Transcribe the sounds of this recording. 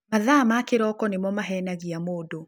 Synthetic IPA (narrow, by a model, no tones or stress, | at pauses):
maðamakɪɾɔkɔnɪmɔmaɦɛnaɣiamoːdo